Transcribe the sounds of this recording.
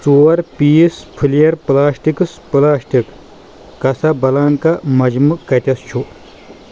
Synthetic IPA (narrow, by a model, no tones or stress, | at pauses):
t͡suːɐɾpiːspʰɨlijɐɾplaːsʈikɨspɨlaːsʈikː | ɐsɐbɐlaːŋkɐmɐd͡ʒmukɐt̪ʲɐst͡ʃʰu